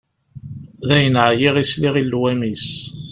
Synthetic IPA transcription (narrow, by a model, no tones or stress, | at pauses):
ðæjənʕjiʁisliʁilːwæmis